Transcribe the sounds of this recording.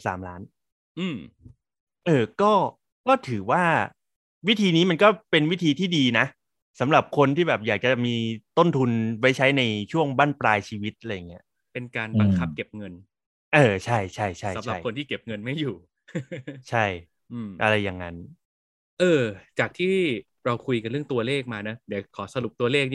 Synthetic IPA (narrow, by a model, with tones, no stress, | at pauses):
saː˩˦mlaː˦˥n | ʔɯː˧˩m | ʔɤː˧kɔː˥˩ | kɔː˥˩t̪ʰɯː˩˦waː˥˩ | wi˦˥t̪ʰiː˧niː˦˥ma˧nkɔː˥˩pe˧nwi˦˥˩t̪ʰiː˧t̪ʰiː˥˩diː˧na˦˥ | sa˩˦mɾa˨˩p̚kʰo˧nt̪ʰiː˥˩bɛː˨˩p̚jaː˨˩k̚t͡ɕa˨˩t͡ɕa˩miː˧t̪o˥˩nt̪ʰu˧nwa˦˥jt͡ɕʰa˦˥jna˧jt͡ɕʰu˥˩əŋbaː˥˩npɾaː˧jt͡ɕʰiː˧wi˦˥t̪̚la˧ja˨˩ŋːi˦˥ɐ | pe˧nkaː˧nba˧ŋkʰa˦˥p̚ke˨˩p̚ŋɤ˧n | ʔɤː˧t͡ɕʰa˥˩jt͡ɕʰa˥˩jt͡ɕʰa˥˨˩ja˨˦t͡ɕma˨˥˩jko˧nt̪ʰiː˥˩ke˨˩p̚ŋɤ˧nma˥˩jːuː˨˩ | t͡ɕʰa˥˩j | ʔːmʔa˧ɾa˧jːa˨˩ŋːa˦˥n | ʔɤː˧t͡ɕaː˨˩k̚t̪ʰiː˥˩ | ɾa˧wkʰu˧jka˧nɾɯ˥˩əŋt̪u˧ɐleː˥˩k̚maː˧na˦˥di˨˩˦kʰɔː˩˦sa˧lu˨˩p̚t̪u˧ɐleː˥˩k̚